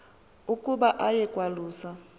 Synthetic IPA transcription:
ukʼuɓaʔajɛkʼwaluːsa

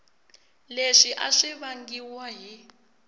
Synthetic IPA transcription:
leʂiʔaʂiβaŋɡiwaɦi

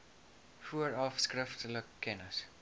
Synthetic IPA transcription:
fuəɹɔfskɹɪftləkʰːɛnəs

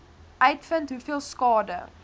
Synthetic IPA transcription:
ʔɐjtfəntɦufiəlˠskɑːdə̰

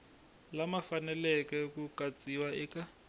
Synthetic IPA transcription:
lamafanɛlɛkɛkukat͡sʼiwaɛːka

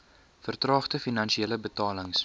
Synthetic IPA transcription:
fərtrɑːχtəfinɐnʃieːləbətɑːləŋs

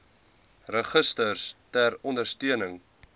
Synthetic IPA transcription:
rəχəstərstærɔndərstyənəŋ

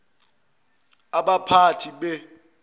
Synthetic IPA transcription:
aɓapʰatʰiɓɛ

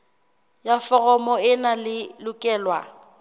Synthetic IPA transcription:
jafɔɣɔmɔɪnalɪlʊkʼɛːlwa̰

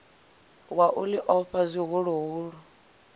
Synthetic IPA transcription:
waʔuliʔɔɸazʷiɦuɺuɦuːɺɔ

